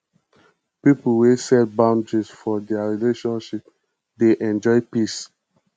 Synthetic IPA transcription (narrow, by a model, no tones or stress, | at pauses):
pipuwesɛbãʊ̃ndɹisfɔdɛaɹileʃɔ̃nʃip̚ | deʔɛ̃nd͡ʒɔɪpis